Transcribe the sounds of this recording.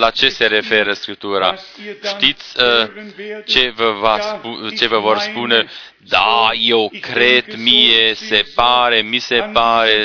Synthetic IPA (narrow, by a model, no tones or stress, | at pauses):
lat͡ʃe̞se̞ɾe̞fe̞ɾəskɾip̚t̪uɾa̰ʃt̪it̪sʲə | t͡ʃe̞vəvasput͡ʃe̞vəvo̞rspune̞ | d̪aje̞wkɾe̞d̪mije̞se̞paɾe̞mise̞paɾe̞